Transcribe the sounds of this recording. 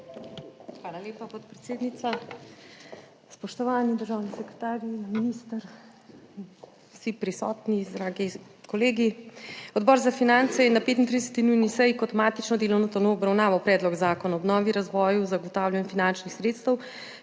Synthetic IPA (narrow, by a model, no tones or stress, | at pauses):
xʋaːlaleːpapɔt̪̚pɾɛt̪seːd̪nit̪sa | spɔʃt̪ɔʋaːnid̪əɾʒaːwnisɛkɾɛ̥t̪aːɾiminist̪əɾ | sipɾisɔːt̪nizd̪ɾaːɡi | koleːɡiɔd̪bɔːɾzafinant̪sɛjɛnapeːt̪int̪ɾid̪ɛsɛ̥t̪inujnisɛjkɔt̪maːt̪it͡ʃnɔd̪eːlɔwnɔt̪ɔnoːbɾawnaːʋawpɾɛːd̪lɔɡzaːkɔnaɔbnɔːʋiɾazʋɔːjuzaɡɔt̪aːwlʲanɛfinant͡ʃnixsɾeːt̪st̪əw